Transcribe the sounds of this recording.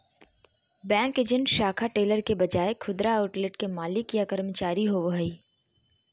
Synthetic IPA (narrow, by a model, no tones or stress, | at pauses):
bɛ̃ːŋkeːd͡ʒə̃ɳʈʃaːkʰaʈeːləɾkebɐd͡ʒaːekʰʊd̪ɾaaʊʈlɪʈkemaːlɪkjakɐɾmət͡ʃaːɾiɦoʋoɦɐiː